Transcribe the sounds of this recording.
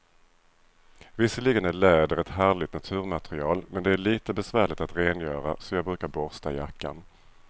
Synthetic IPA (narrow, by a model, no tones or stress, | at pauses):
vɪsːəliːɡənæɭɛːd̪əɾɛt̪hæːɭɪt̪nat̪ʰʉ̟ːɾmat̪ɾɪɑːlmɛnd̪ɛæɭiːt̪əbɛsvæːɭɪt̪at̪ɾeːnjœːɾa̰sɔjɑːɡ̚bɾʉ̟ːkaɾbɔɾst̪ajakːa̰n